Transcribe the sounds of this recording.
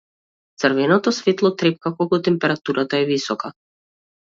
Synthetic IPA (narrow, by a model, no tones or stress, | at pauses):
t̪sərvɛnɔt̪ɔsvɛt̪lˠɔt̪ɾɛp̚kakɔkɔt̪ɛmpɛɾat̪uɾat̪aɛvisɔka